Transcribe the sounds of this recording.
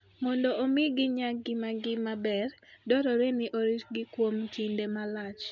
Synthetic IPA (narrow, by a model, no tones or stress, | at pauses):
mɔndɔʔomɪɡɪɲaɡɪmaɡɪmabɛrdɔɾɔɾenɪʔoɾiɡɪkwomt͡ʃindemalat͡ʃ